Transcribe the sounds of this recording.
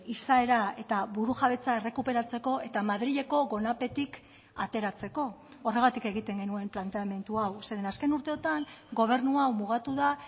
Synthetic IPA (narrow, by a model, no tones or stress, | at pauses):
isae̞ɾae̞t̪aβuɾuʝaβ̞e̞t͡sae̞re̞kupe̞ɾat͡se̞ko̞e̞t̪amaðɾiʎe̞ko̞ɣo̞nape̞t̪ik | at̪e̞ɾat͡se̞ko̞ː | re̞ɣat̪ike̞ɣ̞it̪e̞ŋɡe̞nue̞mplant̪e̞ame̞nt̪uawseðenaske̞nuɾt̪e̞o̞t̪aŋɡo̞β̞e̞ɾnuawmuɣ̞at̪uða